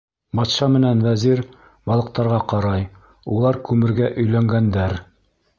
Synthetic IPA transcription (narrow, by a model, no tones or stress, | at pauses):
bɒt̪ʃɑmɘ̆nænvæziɾ | bɒlˠɤ̆q̚t̪ɑɾʁɑqɑɾɑj | ulˠɑɾkʉmɘ̆ɾɡæʔɵ̆jlæŋɡænd̪æɾ